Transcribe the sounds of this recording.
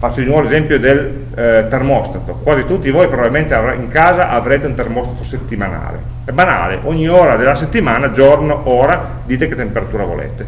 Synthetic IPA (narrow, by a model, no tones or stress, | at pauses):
fat͡ʃːod̪inwɔvoezɛmpjod̪el | t̪ermɔst̪at̪okwaːzit̪ut̪ːivoːjpɾobabilment̪eavɾaiŋkaːzaʔavɾeːt̪eunt̪ermɔst̪at̪oset̪ːimana̰ːlḛ | ɛbana̰ːlḛʔoɲːioːɾad̪elːaset̪ːimaːnad͡ʒornoʔoːɾa | d̪iːt̪eket̪ːempeɾat̪uːɾavo̰lḛːt̪e